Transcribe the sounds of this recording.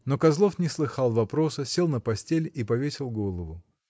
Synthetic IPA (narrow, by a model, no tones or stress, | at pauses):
no̞kɐzlˠo̞fnʲɪslˠɨxɑlˠvɐpɾo̞sɨsʲe̞lˠnəpɐsʲtʲelʲipɐvʲesʲɪlˠɡo̞lˠəvʊ